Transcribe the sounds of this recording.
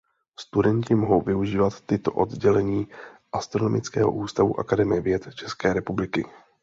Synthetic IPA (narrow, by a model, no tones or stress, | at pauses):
st̪udɛɲcɪmoɦo̞wvɪuʒiːvat̪ːɪt̪o̞̰ʔo̞d̪ɟɛlɛɲiːʔast̪ɾo̞no̞mɪt͡skɛːɦo̞̰ʔuːst̪avṵʔa̰kadɛmɪjɛvjɛt̪t͡ʃɛskɛːɾɛpublɪkɪ